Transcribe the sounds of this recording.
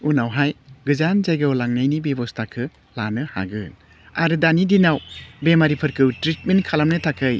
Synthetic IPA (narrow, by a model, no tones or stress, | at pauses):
unawɦajɡɯzanzajɡawlaŋnajnibebɔstʰakʰɯ | lanɯha̰ɡɯn | aɾɯdanidinawbemaɾipʰɯɾkʰɯwtɾit̚menkʰalamnɯtʰakʰɯj